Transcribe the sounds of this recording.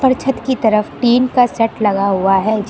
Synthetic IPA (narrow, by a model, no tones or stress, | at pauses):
pəɾt͡ʃʰət̪kit̪ɐɾəfʈiːnkasɛʈlɐɡaɦʊaɦɛd͡ʒ